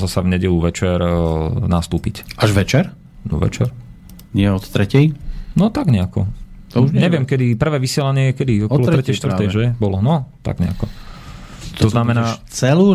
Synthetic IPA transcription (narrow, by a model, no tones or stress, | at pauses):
zasavɲɛɟɛluʋɛt͡ʃɛɾnast̪uːpicʔaʒʋɛt͡ʃɛɾ | nɔ̰ʋɛ̰t͡ʃɛɾ | ɲɪɛɔt̪t̪ɾɛcɛjnɔt̪aɡɲɛakɔt̪ɔuʒɲɛʋɪɛmkɛd̪ipr̩ʋɛːʋisɪɛlaɲɪɛjɛkɛd̪iɔkɔlɔɾɾɛcɛjʃt̪ʋɾt̪ɛjʒɛbɔlɔnɔt̪a̰ɡɲɛ̰akɔ | t̪ɔznamɛnaːt͡sɛlu